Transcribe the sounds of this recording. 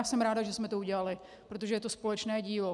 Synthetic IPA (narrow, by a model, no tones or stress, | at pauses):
asɛmɾaːdaʒɛsmɛt̪ouɟɛlalɪ | pɾo̞t̪̬oʒɛjɛt̪o̞spo̞lɛt͡ʃnɛːɟiːlo